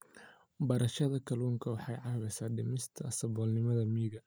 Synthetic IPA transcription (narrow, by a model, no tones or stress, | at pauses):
bɐɾɐʃɐðɐkʰɐluːŋkʰɐwɑħɑjʕɑβɛsaːdɪmɪst̪ʰɐsɐbɔːlnɪmɐðɐmiːɣɐ